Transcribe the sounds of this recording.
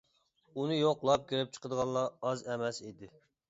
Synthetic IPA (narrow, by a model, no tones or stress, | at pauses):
unɨjoqlˠɑp̚kʲʰiɾɪp̚t͡ʃʰə̥qʰəd̪əʁɑlˠːɑɑzɛmɛsid̪ɪ